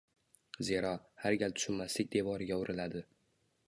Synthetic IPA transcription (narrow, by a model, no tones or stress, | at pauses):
zeɾɒhaɾɡʲalt̪ʰʊ̥ʃɪnmːaslɪk̚ʲd̪e̞vɒɾɪɡʲaʊɾʔɪlad̪ɪ